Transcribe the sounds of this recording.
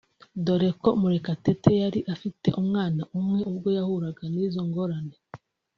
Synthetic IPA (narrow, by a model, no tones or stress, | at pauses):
do̞ɾe̞ko̞muɾekate̞tejaɾiʔafite̞̰ʔumŋaːnaʔumŋe̞uβɡo̞jahuɾaɡaniːzo̞ŋɡo̞ɾane